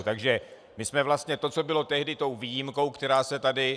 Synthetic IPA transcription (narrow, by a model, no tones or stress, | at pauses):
t̪aɡʒɛ | mɪsmɛvlast̪ɲɛt̪o̞t͡so̞bɪlot̪ɛɦdɪt̪o̞wviːjɪmko̞wkt̪ɛɾaːsɛt̪adɪ